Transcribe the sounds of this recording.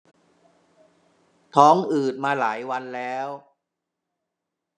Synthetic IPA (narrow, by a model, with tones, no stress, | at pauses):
t̪ʰɔː˦˥ŋʔɯː˨˩t̪̚maː˧laː˩˦jwa˧nlɛː˦˥w